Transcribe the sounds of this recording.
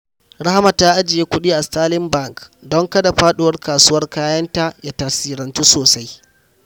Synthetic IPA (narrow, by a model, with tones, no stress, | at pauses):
ɽa˦ha˦ma˨taː˦ʔa˦d͡ʒɪ˨jeː˦kʷʊ˦ɗiː˦ʔa˨staː˦lɪ˦mba˦˨ŋkdɔ˦ŋkɐ˦da˨ɸaː˦ɗʊ˦wɐ˦rkaː˨su˦wɐ˦rkaː˦jɐ˦nta˦ʔjaː˦taː˨siː˦ɾɐ˨ntu˦soː˨sa˦j